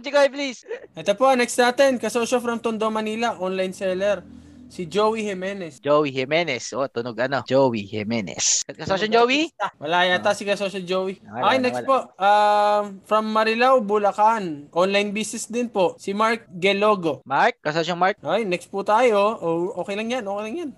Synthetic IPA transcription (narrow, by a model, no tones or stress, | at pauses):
t͡ʃɪkojplisʔɛt̪opo̞ʔɐnɛkst̪naːt̪ɛnkɐsoːʃofɾɐmt̪ʊnd̪omɐniːlɐʔonlɐjnsɛːlɛɾ | sɪd͡ʒoːwihɛmɛːnɛsd͡ʒowihɛmɛnɛsʔot̪ʊnoɡɐnod͡ʒowihɛ̰mɛnɛ̰skɐsoʃond͡ʒowiwɐlaːjat̪asɪkɐsoːʃod͡ʒoːwiʔajnɛkspoʔʔa | fɾɐmːɐɾɪlawbʊlɐkanʔonlɐjnbisɪsd̪ɪnpo̞ʔsɪmaɹk̚ɡɛlo̞ːɡo̞maɹkːɐsoʃoŋmaɹkʔojnɛkst̪̚put̪aːjo̞ʔoʔoːkɛjlɐŋjanʔoːkɛjlɐŋjan